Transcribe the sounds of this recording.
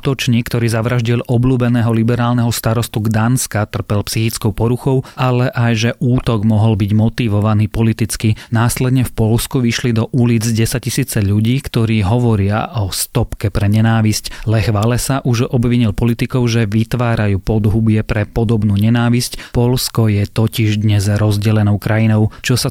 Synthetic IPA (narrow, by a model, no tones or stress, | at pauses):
t̪ɔt͡ʃɲiːkːt̪ɔɾiːzaʋɾaʒɟilʔɔbluːbɛnɛːɦɔlibɛɾaːlnɛɦɔst̪aɾɔst̪uɡd̪anskat̪r̩pɛlpsixit͡skɔʊpɔɾuxɔʊʔalɛʔajʒɛʔuːt̪ɔɡmɔɦɔlbiɟmɔt̪iʋɔʋaniːpɔlit̪it͡skinaːslɛd̪ɲɛfpɔlskuʋiʃlid̪ɔʔuliːd͡zɟɛsaisiːt͡sɛʎuɟiːkt̪ɔɾiːɦɔʋɔɾɪa̰ʔɔst̪ɔpkɛpɾɛɲɛnaːʋisclɛxʋalɛsaʔuʒɔbʋiɲilpɔlit̪ikɔʊʒɛʋit̪ʋaːɾajuːpɔd̪ɦubɪɛpɾɛpɔd̪ɔbnuːɲɛnaːʋiscpɔlskɔjɛt̪ɔciʒd̪ɲɛzɾɔzɟɛlɛnɔʊkɾajinɔʊt͡ʃɔsa